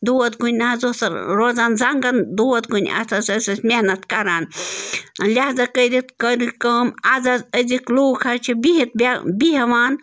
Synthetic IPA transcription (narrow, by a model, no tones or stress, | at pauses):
d̪oːɐt̪ɡunʲnaɦzosɐɾɾoːzaːnzɐŋɡɐnd̪oːɐt̪ɡunʲɐ̰t̪ʰɐsɐsɐsʲmʲehnɐt̪kɐɾaːn | lʲaɦzɐkəɾit̪kəɾikəːmazazəzikloːkʰɐɾt͡ʃʰibiɦit̪̚bʲbiɦɐʋaːn